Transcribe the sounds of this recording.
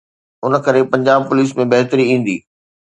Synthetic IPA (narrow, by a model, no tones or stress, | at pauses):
ʊn̆kɐɾepɐ̃ɲd͡ʑaːb̚pʊliːs̬mẽbɐɦt̪əɾiĩːn̆d̪ḭː